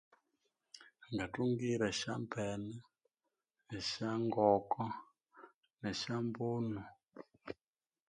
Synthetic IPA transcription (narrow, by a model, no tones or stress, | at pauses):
ŋɡatuŋɡiɾɛʃa̰mpʰɛna | nɛʃaŋɡɔkɔ | nɛʃambuːnu